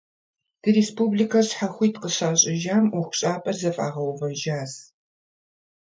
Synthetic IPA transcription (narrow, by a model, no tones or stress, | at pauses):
d̥ɨɾespublikʰɐsħaxʷiːtqəɕaːɕʼɪʒaːmʊxʷʊ̥ɕʼaːpʼɐrzɐfa̰ːʁɐwvɐʒaːs